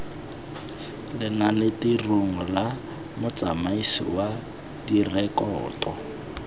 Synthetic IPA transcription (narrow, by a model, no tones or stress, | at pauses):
lɪnalɪtiruŋ̩la | mʊt͡samaisḭwa | dirɛkɔːtɔ